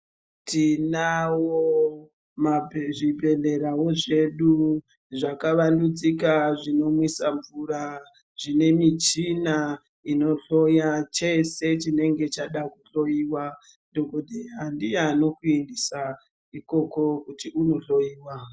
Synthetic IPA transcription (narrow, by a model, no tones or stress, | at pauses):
tʰinawo | maʐibʱe̞ɮe̞ɾawo̞ʐe̞ɗu | ʐakaʋandud͡zikaʐino̞mwisaɱvuɾa | ʐ̥ine̞mit͡ʃina | ino̞ɬo̞jat͡ʃe̞se̞t͡ʃine̞ŋɡe̞t͡ʃaɗakuɬo̞jiwa | doɡodʱejandiano̞kuendisa | iko̞ko̞kutiuno̞ɬo̞jiːwa